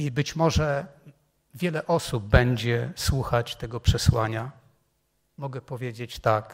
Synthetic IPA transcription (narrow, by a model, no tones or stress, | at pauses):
ibɘt͡ɕmɔʐɛ | vʲjɛlɛʔɔsub̚ːɛɲd͡ʑɛswuxat͡ɕt̪ɛɡɔpʂɛswaɲa | mɔɡɛpɔvʲjed͡ʑet͡ɕt̪ak